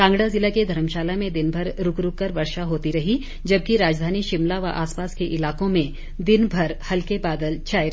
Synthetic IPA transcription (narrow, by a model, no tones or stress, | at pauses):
kãːŋɡɽazɪlaked̪ʱɐɾəmʃaːlamẽd̪ɪnbʱɐɾɾʊkɾʊkːɐɾʋɐɾʃaɦoːt̪iɾɐɦi | d͡ʒɐb̚kiɾaːd͡ʒd̪ʱaːniʃɪmlaʋaʔaːspaːskeʔɪlaːkõmẽ | d̪ɪnbʱɐɾhɐlkebaːd̪əlt͡ʃʰaːjɾ